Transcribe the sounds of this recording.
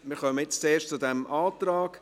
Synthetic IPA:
mɪːɾχœməjɪt͡st͡seːʃt͡sudɛmʔaːtraːɡ̥

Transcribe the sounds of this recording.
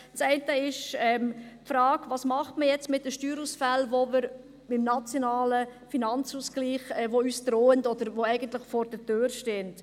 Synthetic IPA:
t͡sɛɪntəɪʃɛːmpfɾɑːkvɑːsmɑχtməjɛt͡stmɪt̚dəʃtyːɾusfælʋomɪɾ | bɪmnɑt͡sjonɑːləfinɑnt͡susɡ̥liːχɛːʋoyːsd̥ɾoːəndɔd̪əɾʋoɛɪɡəntlɪχfɔːɾd̥ətøːɾʃteːnt

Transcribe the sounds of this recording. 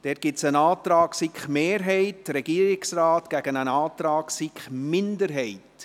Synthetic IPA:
d̥ɛːt̚ɡ̥ɪsənɑːt̪ɾɑːksikχmeːɾɦɛɪtɾɛɡ̥iːəɾɪksraːtɡ̥æɡ̥ənənɑːt̪ɾɑːksikχmɪndəɾɦɛɪt

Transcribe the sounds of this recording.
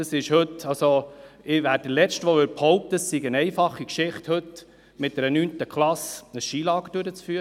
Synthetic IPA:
ɑsɪʃhɵt̪ɑlsoɪʋæːɾdəlɛt͡stʋoʋʏɾphɔʊp̚t̪əsiɡənɛɪfɑχːikʃɪχthɵt | mɪt̚dɛɾənyːnt̪əkχlɑsəsʃiːlɑːɡəd̥øɾət͡sfyːəɾ

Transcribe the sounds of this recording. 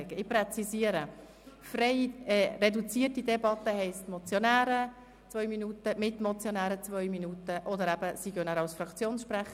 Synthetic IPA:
ɡ̥əɪpɾɛt͡sisiəɾə | fɾɛɪrɛdut͡siːətidɛbɑt̪ːəhɛɪstmɔt͡sjɔnæːɾə | t͡sʋœʏminutəmɪtmɔt͡sjonæːɾət͡svœʏminutəʔɔd̪əɾæb̥əsiɡœnæːɾɑlsfɾɑkt͡sjoːnsʃpɾæχ

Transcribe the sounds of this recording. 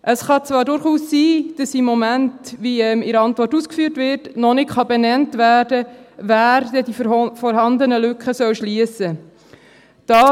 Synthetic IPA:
ʔəsχɑt͡svɑːɾdʊɾχuːsːiːd̥ɑsimːɔmæntviɛmɪɾɑntvɔrtuːskfyːɾtʋɪɾtnɔnɪkχɑbɛnɛntvæːrdəvæːɾdɛdifɔɾɦɑnd̪ənəlʏkχəsœwʃliəsə | d̥ɑː

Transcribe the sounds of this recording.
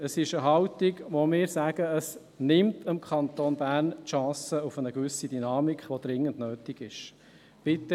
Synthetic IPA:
əsɪʃəɦɑwt̪iɡʋomɪːɾsæɡ̥əəs | nɪmtəmkʰɑnt̪oːnbæːrntʃɑ̃ːsəufənəɡʋʏsid̪ynɑːmikχʋod̥̪ɾɪŋːəndnøːtiɡ̥ɪʃ | b̥ɪt̪ə

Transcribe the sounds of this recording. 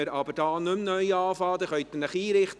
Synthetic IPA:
əɾɑbəɾdɑːnɵmnœʏɑːfɑːd̪əχœɥt̪ənəχiːɾɪχt

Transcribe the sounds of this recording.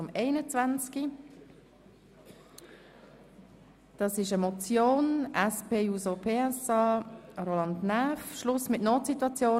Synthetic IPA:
ʊmeɪnət͡svant͡ski | d̥ɑsɪʃəmɔt͡sjoːnɛspʰeːuːzopʰeːɛsɑːrolɑndnɛfʃlʊsmɪtnoːtsitwɑt͡sjoː

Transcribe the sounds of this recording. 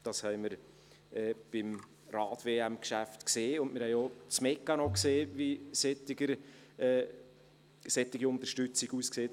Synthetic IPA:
d̥ɑshɛɪməɾ | ɛːb̥ɪm | rɑːtveːæmkʃæftkseːʊntmɪɾhɛjot͡smɛkːɑnɔkseːʋisɛt̪ːɪɡəɾ | sɛt̪ːɪɡiʊnt̪əɾʃtʏt͡siɡuːskseːt

